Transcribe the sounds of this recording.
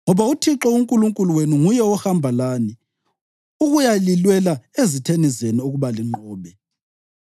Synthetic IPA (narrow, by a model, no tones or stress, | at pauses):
ŋɔβautʰiǁɔuŋkʼuluŋkʼuluwenuŋujɛɔhambʱalaːni | uɣujalilwɛlaezitʰenizeniuɣuβaliŋ͡ǃɔːβɛ